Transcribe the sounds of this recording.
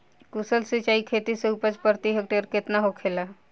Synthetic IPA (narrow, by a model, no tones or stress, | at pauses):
kusəlsit͡ʃaikʰet̪iseupət͡ʃpəɾt̪iɦəkʈeɾket̪naɦokʰeːla